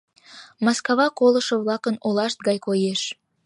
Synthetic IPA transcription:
mɑskɑβɑkoləʃŏβlɑkənolɑʃt̪̚ɣɑjkojeʃ

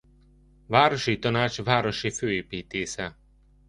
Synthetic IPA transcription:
vaːɾo̞ʃit̪ɒnaːt͡ʃvaːɾo̞ʃiføːeːpiːt̪eːsɛ

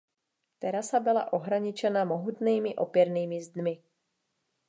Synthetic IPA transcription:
t̪ɛɾasabɪla̰ʔo̞ɦɾaɲɪt͡ʃɛnamoɦut̪niːmɪʔo̰pjɛɾniːmɪzd̪mɪ

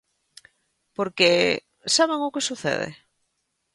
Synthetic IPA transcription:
poɾke | saβeŋokesuθḛðḛ

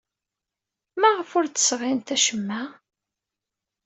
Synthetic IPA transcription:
mæʁəfʊɾt͡s̪ə̥sʁɪnt̪æʃəmːæ

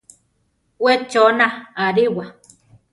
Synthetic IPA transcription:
wet͡ʃonaaɾiwa

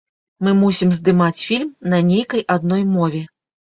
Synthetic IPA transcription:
mɨmusʲimzd̪ɨmat͡sʲfʲilʲmnɐnʲejkɐjʔad̪̚n̪ɔjmɔvʲɛ

